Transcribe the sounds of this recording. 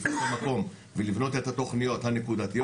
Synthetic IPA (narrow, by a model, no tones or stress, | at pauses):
komako̞m | velivno̞t̪et̪hat̪o̞χnijo̞t̪hanekud̪at̪ij